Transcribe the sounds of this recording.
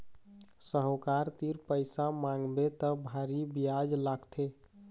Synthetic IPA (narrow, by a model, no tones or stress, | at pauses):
səɦokaɾt̪iɾpəɪsamãŋɡbet̪əbʱaɾibijad͡ʒlaɡt̪ʰe